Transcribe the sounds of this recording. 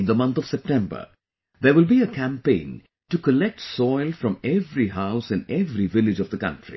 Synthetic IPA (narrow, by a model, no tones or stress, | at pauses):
nðəmʌ̃nt̪ɔv̥sɛp̚ʈɛ̃mbə̰˞ | ðəwɪlbiəkʰæ̃mpẽɪ̃n | tukəlɛk̚ʈsɔɪlˠfɾʌ̃mɛvɾiɦaʊsɨ̃nɛvɾivɪlɪd͡ʒʌvd̪əkʌ̰̃ntɹ̥ḭ